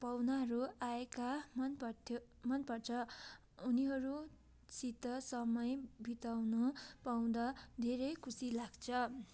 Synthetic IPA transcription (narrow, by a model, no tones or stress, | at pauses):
pawnaɦʌɾuaekamʌnpʌtʰ | mʌnpʌt͡sʰʌ | uniɦʌɾu | t͡sit̪ːʌsʌmʌjbʱit̪awnʌpaw̃d̪ʌd̪ʱeɾʌjkʰusilaɡt͡sʰʌ